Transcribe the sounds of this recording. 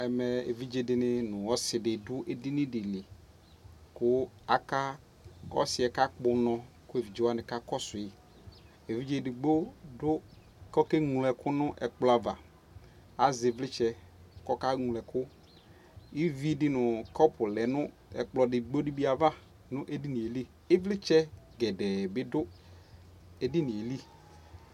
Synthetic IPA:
ɛ˨mɛ˨ḛ˨vi˦d͡ʒe˨dɪ˨nɪ˦nʊ̃˨wɔ˦sɪ˨dɪ˨dʊ˦ʔe˨dɪ˦nɪ̃˦dɪ˨lɪ˨ | kʊ˦ | a˨ka˦ | ɔ̰˦sɪ˨ɛ˨ka˦k͡pʊ˨˦nɔ̃˨ | kʊ˦e˨vi˨d͡ʒe˦wa˦nɪ̃˨ka˦kɔ˦sʊ˨jɪ˨ | e˨vi˦d͡ʒe˦dɪ˨ɡ͡bo˦dʊ˦ | kɔ˦ke˦ŋu˨lɛ˨kʊ˦nʊ̃˦ʔɛ˨k͡plɔ˨˦a˨va˨ | a˨zɪ˨vlɪ˦t͡ʃɛ˦ | kɔ˦ka˦ŋũ˨lɛ˨kʰʊ˦ | i˦vi˦dɪ˦nʊ˨kɔ˦pʰʊ˨lɛ˨nʊ˦ | ɛ̰˨k͡plɔ˨dɪ˨ɡ͡bo˦di˦bi˦a˨va˦ | nʊ̃˦ʔe˦di˦nĩ˨e˨li˦ | ɪ˦vlɪ˦t͡ʃɛ˦ɡɛ˨dɛ˨bɪ˦dʊ˦ | e˨dɪ˦ni˨e˨li˦

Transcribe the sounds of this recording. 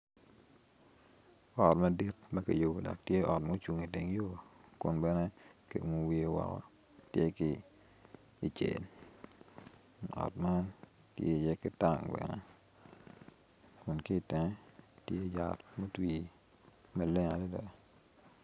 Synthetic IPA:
ɔ˨tma˦di˦t̚mɐ˦ki˨jo˨bo˨dɔ̰˨k̚tje˦ʔɔ˨tmo˦t͡ʃu˨ŋi˨te˨ŋjo˦kʊ˨nbɛ˦nɛ˦kḭ˨u˨mu˨wi˦e˦wɔ̰˨kɔ̰˨ | tje˦kɪ˨ | i˨t͡ʃḛ˨n | ɔ̰˨tma˦ | tjḛ˦˨jɛ˦kɪ˦ta˨ŋbɛ̰˨nɛ̰˦ | kʊ˨nki˦˨tɛ˨ŋ˦tje˦˨ja̰˨tmo˦twi˨ | ma˦lɪ˦ŋa˨dɛ˦dɛ˨

